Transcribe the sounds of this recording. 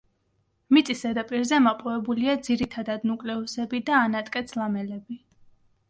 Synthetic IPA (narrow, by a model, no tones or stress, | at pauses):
mit̪sʼisad̪apʼiɾzɛmapʼɔvɛbuliad̪ziɾit̪ʰad̪ad̪nukʼlɛusɛbid̪aːnat̪ʼkʼɛt̪sʰlˠamɛlɛbi